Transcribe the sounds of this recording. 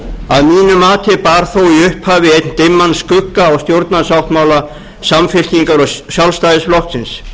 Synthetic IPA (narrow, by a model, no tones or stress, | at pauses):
aðmiːnʏmaːt̪ʰɪpaːɾ̥θowiʏhphaːvɪejt̪nt̪ɪmːanskʏkːaːwst̪jowɾt̪nasawht̪maːwla | samfɪl̥ciŋkaɾɔɣsjawlst̪ajðɪsflɔhk̪sɪns